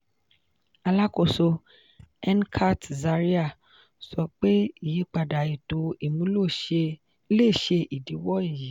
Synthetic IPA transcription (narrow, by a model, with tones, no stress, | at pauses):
a˧la˦ko˧so˧ | ɛ˦nkʰa˦tza˧ɾi˦a˦˨ | sɔ˧k͡pe˦i˨ji˨˦k͡pa˨da˨i˨to˧i˨mũ˦lo˦˧ | le˦˨ʃe˧ʔi˨di˨˦wɔ˦i˦˨ji˨˦